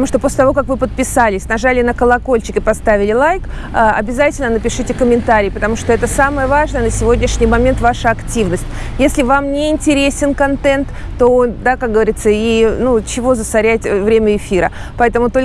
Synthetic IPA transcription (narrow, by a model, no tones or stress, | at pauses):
əəɐmuʂt̪o̞pos̬ʲlʲɪt̪ɐvokakvɨpət̪̚pʲɪsalʲɪsʲnɐʐalʲɪnəkəlˠɐko̞lʲt͡ɕɪkʲɪpɐst̪avʲɪlʲɪlˠajk | ɐ̰bʲɪzatʲɪlʲnənəpʲɪʂɨtʲɪkəmʲɪnt̪aɾʲɪːpət̪ɐmuʂt̪o̞ɛt̪əsaməjəvaʐnəjənəsʲɪvo̞dʲnʲɪʂnʲɪjmɐmʲent̪vaʂɨɐktʲivnəsʲtʲ | jesʲlʲɪvamnʲɪɪnʲtʲɪɾʲesʲɪnkɐnt̪ɛnt̪ːod̪akak̚ɡəvɐɾʲit̪səinut͡ɕɪvo̞zəsɐɾʲætʲvɾʲemʲəɪfʲiɾə̰ | pɐɛt̪əmʊt̪o̞lʲ